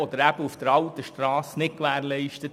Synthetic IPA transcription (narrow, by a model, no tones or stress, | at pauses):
ɔd̪əɾæb̥əufd̥̪əɾɑlt̪əʃtɾɑːsnɪtkʋæːɾlɛɪʃtət